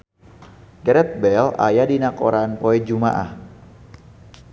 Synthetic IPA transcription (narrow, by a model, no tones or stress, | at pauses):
ɡɛɾɛt̪̚bɛla̰jadinakoɾanpoɛd͡ʒumaʔa̰h